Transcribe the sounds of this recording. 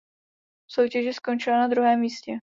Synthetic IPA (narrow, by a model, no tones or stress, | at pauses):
so̞wcɛʒɪsko̞nt͡ʃɪlanad̪ɾuɦɛːmːiːscɛ